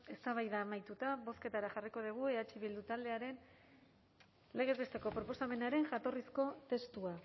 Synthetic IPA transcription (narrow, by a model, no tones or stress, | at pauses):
e̞st̪aβ̞ajðaːmajt̪ut̪aβo̞ske̞t̪aɾaʝariko̞ð̞iɣ̞ue̞at͡ʃiβild̪ut̪ald̪e̞aɾe̞n | le̞ɣ̞ezβe̞st̪e̞ko̞pɾopo̞same̞naɾe̞ŋʝat̪o̞risko̞t̪e̞st̪ua